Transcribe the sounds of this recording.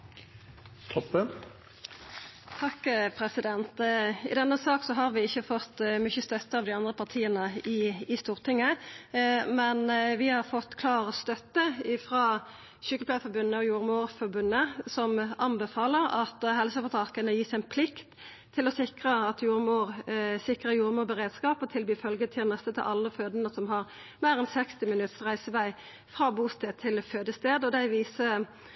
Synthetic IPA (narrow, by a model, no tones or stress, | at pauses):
t̪ʰɔpːən | t̪ʰɑkpʰʁɛsɪd̪ɛnt̪ɪ̰d̪ɛnːəsɑːksɔɦɑɾʋɪɪçːəfɔt̪ːmʏçəst̪œt̪ːəɑːʋd̪ɪɑnd̪ʁəpʰɑʁt̪ʰiːənəɪɪst̪uːʁt̪ɪŋːə | mɛnʋɪhɑʁfɔt̪ːkʰlɑːʁəst̪œt̪ːəɪfʁɑː | ʃʏkːəpʰlæfɔbʉnːəɔjuːʁmuːʁfɔʁbʉnːəsɔmɑnbɛfɑːləɾɑ̰t̪hɛlsəfɔt̪ʰɑkənəjiːsɪnpʰlɪkt̪ʰː | ɪlɔsɪkʁəɑt̪juːʁmuːʁsɪkɾəjuːʁmuːbəʁeːd̪skɑːpɔt̪ʰɪlbiɪfœlɡət̪ʰɪlnɛst̪ət̪ʰɪ̰lʔɑlːəføːd̪ənəsɔmhɑʁ | mæːɾɛnsɛkst̪ɪmɪnʉt̪sʁæɪsəʋæɪ | fʁɑːbuːst̪eːd̪̚t̪ʰɪlføːd̪əst̪eːd̪ɔd̪æɪʋiːsə